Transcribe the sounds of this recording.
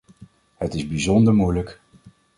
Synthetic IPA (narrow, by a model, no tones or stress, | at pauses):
hətɪzbizɔndəɹmujlək